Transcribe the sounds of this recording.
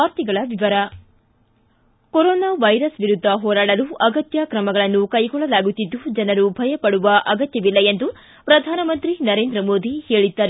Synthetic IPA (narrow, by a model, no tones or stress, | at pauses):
aːɾt̪iɡɐɭɐʋiʋɐɾɐ | kɔɾɔːnaːʋɐjɾɐsʋiɾud̪ʱːɐɦɔːɾaːɽɐluʔɐɡɐt̪jakɾɐmɐɡɐɭɐnːukɐjɡɔɭːɐlaːɡut̪ːid̪ːud͡ʒɐnɐɾubʱɐjɐpɐɽuʋɐʔɐɡɐt̪jɐʋilːɐend̪u | pɾɐd̪ʱaːnɐmɐnt̪ɾinɐɾeːnd̪ɾɐmoːd̪ʱihe̞ːɭid̪ːaːɾ